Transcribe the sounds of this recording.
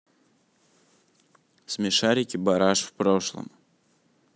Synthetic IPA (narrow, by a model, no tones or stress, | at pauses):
smʲɪʂaɾʲɪkʲɪbɐɾaʂfpɾoʂlˠə̰m